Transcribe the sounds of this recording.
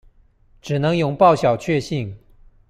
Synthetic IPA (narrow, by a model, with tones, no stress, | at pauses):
ʈ͡ʂɻ̩˨˩nɤ˧˦˥ŋjʊ˨˩ŋpɑ˥˩ʊɕjɑ˨˩ʊt͡ɕʰɥɛ˥˧ɕi˥˩ŋ